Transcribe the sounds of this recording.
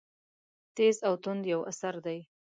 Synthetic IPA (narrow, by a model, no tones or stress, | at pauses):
t̪ezawt̪ʊnd̪jawa̰saɾd̪aj